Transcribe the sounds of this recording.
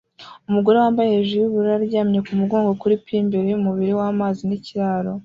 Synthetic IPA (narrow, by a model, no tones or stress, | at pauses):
umuɡo̞ɾe̞waːmbajeʒijuβuɾuaɾɟaːmɲekumuɡo̞ːŋɡo̞kuɾipʰiːmbeɾejumuβiɾiwaːmaːziniciɾaːɾo̞